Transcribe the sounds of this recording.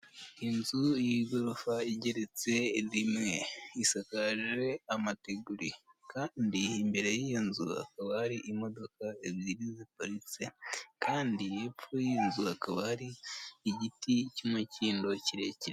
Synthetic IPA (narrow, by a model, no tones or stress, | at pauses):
inzujiɡoɾofaiɟe̞ɾet͡se̞zimŋeisakaʒe̞amateɡuɾikaːndiːmbe̞ɾe̞jijinzuha̰kaβahaɾiʔimo̞do̞kaeβjiɾizip̚oɾit͡sekaːndije̞pfujinzuhakaβahaɾiːɟiticumuciːndo̞ciɾe̞ciɾe